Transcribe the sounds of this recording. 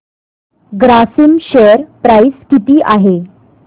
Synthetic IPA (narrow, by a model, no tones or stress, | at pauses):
ɡɾasimɕeəɾpɾajskit̪iːʔaɦe